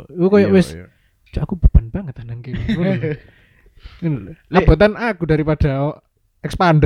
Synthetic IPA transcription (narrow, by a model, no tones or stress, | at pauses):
ikukojɔwɪs | d͡ʒoakub̥ub̥anb̥aŋət̪anaŋkeku | labo̤t̪anakuda̤ɾipad̥a̤ɔ | ɛkspand